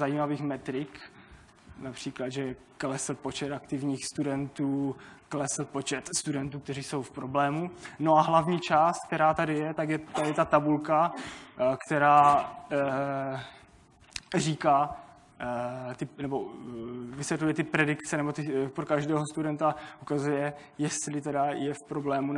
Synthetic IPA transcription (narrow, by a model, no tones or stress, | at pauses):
zajiːmaviːxmɛt̪ɾɪk | napr̝̥iːklad̪ʒɛ | klɛsl̩po̞t͡ʃɛt̪akt̪ɪvɲiːxst̪udɛnt̪uːklɛsl̩po̞t͡ʃɛt̪st̪udɛnt̪uːk̚t̪ɛriːso̞wfpɾo̞blɛːmuno̞aɦlavɲiːt͡ʃaːst̪̚k̚t̪ɛɾaːt̪adɪjɛt̪akjɛt̪adɪt̪at̪abulka | kt̪ɛɾaː | riːkaː | t̪ɪnɛbo̞ | vɪsʋjɛt̪lujɛt̪ɪpɾɛdɪkt͡sɛnɛbot̪ɪpɾokaʒdɛːɦost̪udɛnt̪aʔukazujɛ | jɛst̪lɪt̪ɛdajɛfpɾo̞blɛːmu